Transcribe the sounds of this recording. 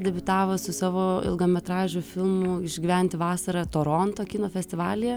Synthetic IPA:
d̪ʲɛbʲʊt̪ɑːʋosʊsɑːʋoːɪ̰lˠɡoːmʲɛt̪ɾɑːʒʲʊfʲɪlˠmʊɪʒʲɡʲɪʋʲɛnʲt̪ʲɪʋɑːsɐɾɐt̪oːɾont̪oːkʲɪnoːfʲɛsʲt̪ʲɪʋɑːlʲɪjɛ

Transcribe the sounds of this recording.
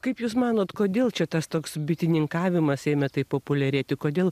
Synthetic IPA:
kɐɪpjuːsmɑːnoːt̪koːd̪ʲeːlˠt͡ʃʲɛt̪ɐst̪oːksbʲɪt̪ʲɪnʲɪŋkɑːʋʲɪmɐseːmʲɛt̪ɐɪpoːpʊlʲɛɾʲeːt̪ʲɪkoːd̪ʲeːlˠ

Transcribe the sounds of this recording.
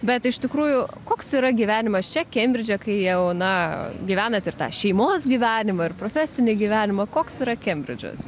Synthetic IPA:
bʲɛt̪ɪʃt̪ʲɪkɾuːjʊkoːksiːɾɐɡʲiʋʲæːnʲɪmɐst͡ʃʲɛkʲɛmʲbʲɾʲɪd͡ʒʲɛkɐɪjɛʊnɐɡʲiːʋʲæːnɐt̪ɪrt̪ɑ̰ːʃʲɛɪmoːsɡʲiːʋʲæːnʲɪmɐɪrpɾoːfʲæsʲɪnʲɪɡʲiʋʲæːnʲɪmɐkoːksiːɾɐkʲɛmʲbʲɾʲɪ̰d͡ʒʲʊ̰s

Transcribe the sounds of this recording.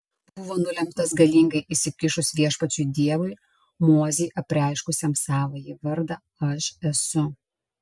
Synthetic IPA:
b̥ʊʋoːnʊlʲɛmpt̪ɐsɡɐlʲiːˑŋɡɐɪʔɪʃsʲɪkʲɪʃʊsʋʲiɛʃpɐt͡ʃʲʊd̪ʲiɛʋʊɪ | moːzʲeːʔɐpʲɾʲɪɐɪʃkʊsʲɛmsɑːʋoːjiʋɐɾd̪ɑ | ɐʃɛsʊ

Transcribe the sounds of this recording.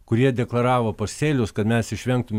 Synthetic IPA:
kʊɾʲiɛd̪ʲɛklˠɐɾɑːʋoːpɐsʲt̪ʲeːlʲʊskɐt̪mʲɛsɪʃʲʋʲɛŋk̚t̪ʊmʲ

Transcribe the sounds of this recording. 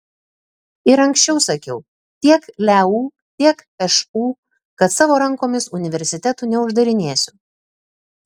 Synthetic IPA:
ɪɾɐŋʲksʲt͡ʃʲɛʊsɐkʲɛʊ | t̪ʲiɛklʲæuː | t̪ʲiɛkɛʃuː | kɐt̪sɑːʋoːɾɐŋkoːmʲɪsʊnʲɪʋʲɛɾʲsʲɪt̪ʲɛt̪uːnʲɛʊʒd̪ɐɾʲɪnʲeːsʲʊ

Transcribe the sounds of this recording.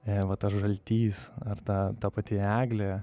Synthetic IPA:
ɛʋɐt̪ɐʃʒɐlʲt̪ʲiːsɐrt̪ɑt̪ɐpɐt̪ʲɪæːɡlʲɛ

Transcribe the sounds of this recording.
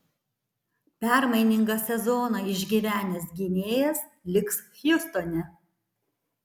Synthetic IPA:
pʲæˑɾmɐɪnʲɪŋɡɐsʲɛzɔnɑɪʒʲɡʲiʋʲæːnʲɛs̬ɡʲɪnʲeːjɛs | lʲɪksxjʊst̪ɔnʲɛ

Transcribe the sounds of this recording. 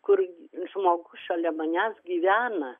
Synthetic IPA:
kʊrʒmoːɡʊʃoːlʲɛmɐnʲæsɡʲiːʋʲæːnɐ

